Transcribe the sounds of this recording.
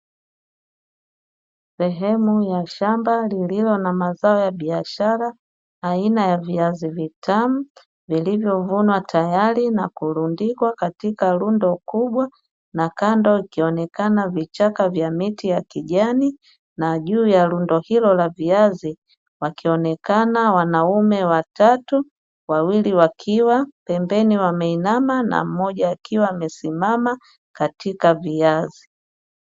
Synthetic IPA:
sɛɦɛmujaʃambalililɔnamazaɔjaɓiaʃaɾaː | inajaviazivitʰamu | vilivjɔvunwatʰajalinakulundikwakatikalundɔkuɓwa | nakandɔikiɔnɛkanavit͡ʃakavjamitijakiʄani | naʄuːjalundɔhilɔlaviazi | wakiɔnɛkanawanaumɛwatatu | wawiliwakʰiwapɛmbɛniwamɛinamana̰m̩mɔʄaːkiwaːmɛsimama | katikaviazi

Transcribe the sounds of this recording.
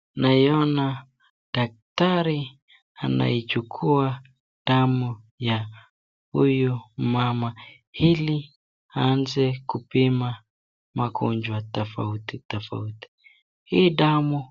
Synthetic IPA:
naiɔna | d̥ak̚taɾi | ana̰it͡ʃukʰua | ɗ̥amu | ja | hujumama | hili | aanzɛkupima | makund͡ʒwatɔfa̰utitɔfa̰uti̥ | hiːɗamu

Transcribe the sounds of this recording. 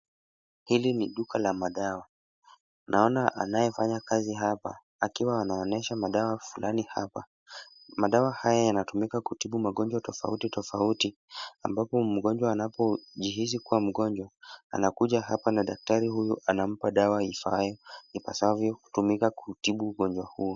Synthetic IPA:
hiliniɗukʰalamaɗawa | nʔaɔnaʔa̰najɛfaɲakaziɦapa̰ː | kiwaːnaɔnɛʃamaɗawafulaniha̰pa | maɗawahajajanatumikakutiɓumaɠɔnd͡ʒwatɔfa̰utitɔfauti | ambapɔm̩ɠɔnd͡ʒwaːnapɔʄiɦizikuwam̩ɠɔɲd͡ʒwaa̰nakuʄaɦapanaɗak̚taɾihujuʔanam̩paɗawaifajɔnika̰saavjɔku̥tumikakutiɓuːɠɔɲd͡ʒwahuː

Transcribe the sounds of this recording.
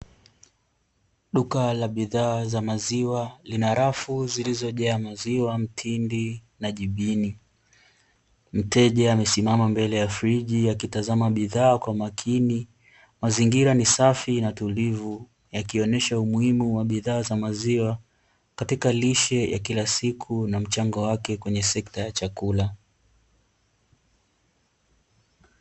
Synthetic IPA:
ɗukalaɓiðaːzamaziwalinaɾafuzilizɔʄɛamaziwam̩tʰindi | naʄiɓini | m̩tɛʄɛamɛsimamambɛlɛjafɾiʄiakitazamaɓiðaːkwamakʰini | maziŋɡiɾanisafinatulivu | jakiɔnɛʃaumuhimuwaɓiðaːzamaziwa | katikaliʃɛja̰kilasikʰunam̩t͡ʃaŋɡɔwakɛkwɛɲɛsɛktajat͡ʃakula

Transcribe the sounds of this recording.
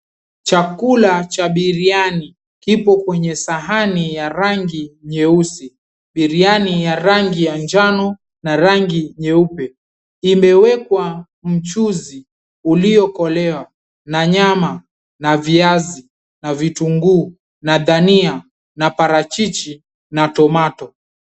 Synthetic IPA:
t͡ʃakulat͡ʃaɓiɾiani | kipɔkwɛɲɛsaɦanijaɾaŋɡiɲɛusi | ɓiɾianijaɾaŋɡijand͡ʒanɔ | naɾaŋɡiɲɛupɛ | imɛwɛkwa | m̩t͡ʃuzi | uliɔkɔlɛwa | naɲama | naviazi | navituŋɡuː | naðania | napaɾat͡ʃit͡ʃi | natɔmatɔ

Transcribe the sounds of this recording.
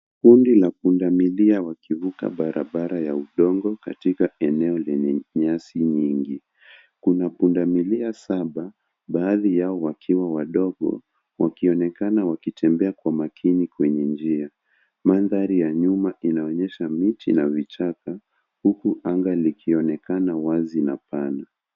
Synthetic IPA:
kundilapundamiliawakivuka̰ɓaɾʔaɓaɾajauɗɔŋɡɔkatikaɛnɛɔlɛɲɛɲasiɲiŋɡi | kunapundamiliasaɓa | ɓaːðijaɔwakʰiwawaɗɔɠɔ̰ | wakiɔnɛkanawakitʰɛmbɛakwamakʰinikwɛɲɛnd͡ʒia | manðaɾijaɲumaʔinaɔɲɛʃamitḭnavit͡ʃaka | hukuʔaŋɡalikʰiɔnɛkanawazinapana

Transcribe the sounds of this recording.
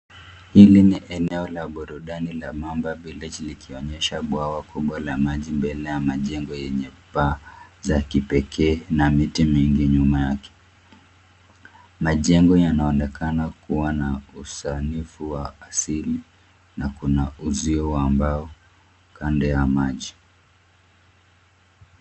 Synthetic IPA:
hiliniʔɛnɛɔlaɓɔɾuɗanilamambaɓilid͡ʒlikʰiɔɲɛʃaɓwawakuɓwalamaʄimbɛlɛjamaʄɛŋɡɔjɛɲɛpazakipɛkʰɛːnamitimiŋɡiɲumajakɛ̥ | maʄɛŋɡɔjanaɔnɛkanakuwanausanifuwaːsili | nakunauziɔambaɔ | kandɛjamaʄi

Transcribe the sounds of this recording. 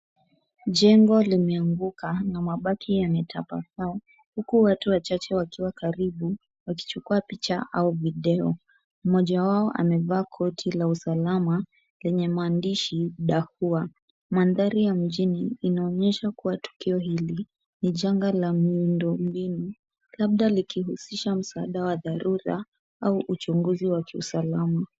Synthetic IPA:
ʄɛŋɡɔlimɛaŋɡukanamaɓakʰijamɛtʰapa̰saɔ | hukuwatuwat͡ʃat͡ʃɛwakiwakaɾiɓu | waki̥t͡ʃukuapit͡ʃaʔauviɗɛɔ | m̩mɔʄawaɔʔa̰mɛvaːkʰɔtʰilausalama | lɛɲɛmaandiʃiɗahua | manðaɾijam̩ʄiniːnaɔɲɛʃakuwatu̥kiɔhili | niʄaŋɡalamindɔm̩bini | laɓ̚ɗalikiɦusiʃam̩saaɗawaðaɾuɾa̰ | auʔut͡ʃuŋɡuziwakʰiṵsalama

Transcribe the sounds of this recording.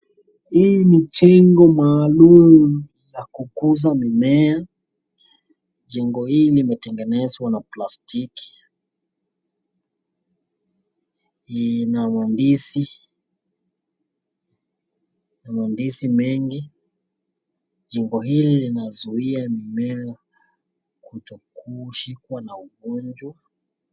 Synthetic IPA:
hiːnit͡ʃɛŋɡɔmaːlumu | jakukuzamimɛa | ʄɛŋɡɔhilimɛtɛŋɡɛnɛzwanaplastiki̥ | namandisi | namandisimɛŋɡi | ʄɛŋɡɔɦililinazuiamimɛa | kutɔkuʃikwanauɡɔnd͡ʒwa

